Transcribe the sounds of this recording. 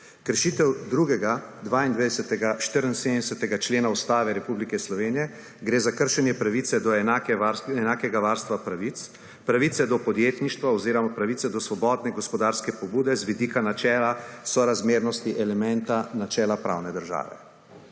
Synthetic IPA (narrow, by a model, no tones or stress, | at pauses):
kəɾʃiːt̪ɛwd̪ɾuɡɛɡad̪ʋaːind̪ʋed̪ɛsɛt̪ɛɡaʃt̪əɾənseːd̪ɛsɛt̪ɛɡat͡ʃleːnaust̪aːʋɛɾɛpublikɛslɔʋeːnijɛ | ɡɾeːzakəɾʃɛnjɛpɾaʋit̪sɛd̪ɔɛnakɛʋaɾsɛnaːkɛɡaʋaɾst̪ʋapɾaʋit̪s | pɾaʋit̪sɛd̪ɔpɔd̪jeːt̪niʃt̪ʋaɔziːɾɔmapɾaʋiːsɛd̪ɔsʋɔbɔːd̪nɛɡɔspɔd̪aːɾskɛpɔbuːd̪ɛzʋid̪iːkanat͡ʃɛːlasɔɾazmeːɾnɔst̪iʔɛlɛmɛnt̪anat͡ʃɛːlapɾa̰wnɛd̪əɾʒa̰ːʋɛ̰